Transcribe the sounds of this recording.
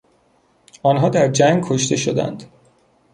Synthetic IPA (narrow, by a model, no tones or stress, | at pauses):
ʔɒːnɦɒːd̪æɾd͡ʒæŋɡ̚kʰoʃt̪e̞ʃod̪æ̰nd̪̥